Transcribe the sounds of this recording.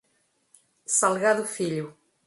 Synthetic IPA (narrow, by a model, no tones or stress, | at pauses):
salˠɣaðufiʎu